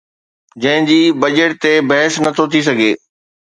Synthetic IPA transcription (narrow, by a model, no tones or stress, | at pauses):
d͡ʑɐ̃ɦɪ̃d͡ʑiːbɐd͡ʑeʈ̚t̪ebɐɦɪsnɐt̪ʰot̪ʰis̬ɐɡʱeː